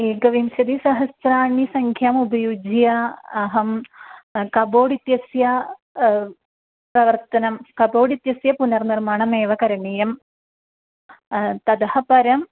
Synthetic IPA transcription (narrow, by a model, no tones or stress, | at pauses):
eːɡɐʋimsɐd̪isɐɦɐsɾaːɳisɐŋkʰjaːmubʱɐjud͡ʒjɐːɦɐm | kɐboːɽit̪jɐsjɐ | prɐʋɐrt̪ɐnɐmkɐboːɽit̪jɐsjɐpunɐrnirmaːɳɐmeːʋɐkɐɾɐnijɐm | t̪ɐd̪ɐhɐpɐɾɐm